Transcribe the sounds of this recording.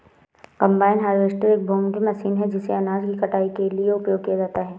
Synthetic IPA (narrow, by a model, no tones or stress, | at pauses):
kɐ̃mbaːɪnɦaːɾʋeːsʈəɾeːk̚boːŋbʱimɐsiːnɦɛd͡ʒɪseɐnaːd͡ʒkikɐʈaːikelieʊpjoːɡ̚kijad͡ʒaːt̪aɦɛː